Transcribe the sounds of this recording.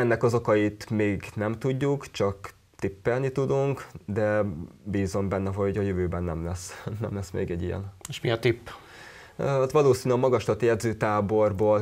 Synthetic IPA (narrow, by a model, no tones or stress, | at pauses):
ɛnːɛkɒzo̞kɒjit̪meːɡnɛmt̪uɟːukt͡ʃɒk | t̪ipːɛlnit̪ud̪uŋkd̪ɛbiːzo̞mbɛnːɛɦo̞ɟɒjøvøːbɛnːɛmlɛsnɛ̰mlɛsmḛːɡɛɟːijɛ̰neʃmiɒt̪ipː | t̪ʋɒloːsiːnyɒmɒɡɒʃt̪ɒt̪jɛd̪zøːt̪aːbo̞rboːl